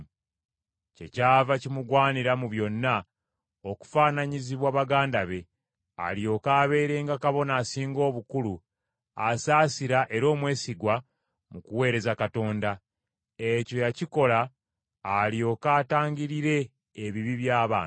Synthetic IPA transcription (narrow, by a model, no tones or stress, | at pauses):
ce̞̰caːvacimuɡwaːniɾamuβjo̞nːa | o̞ku̥fanaɲiziβwaβaɡaːndaβe̞ | a̰lio̞kaːβe̞ːɾe̞ːŋɡakaβo̞naːsiːŋɡo̞ːβukulu | asaːsiɾaʔe̞ɾo̞ːmwe̞ːsiɡwa | mukuwe̞ːɾe̞zakato̞ːnda | eco̞jaciko̞laː | lio̞kaːtaːɲɟiɾiɾe̞ː | βiβiβjaːβa̰ːnt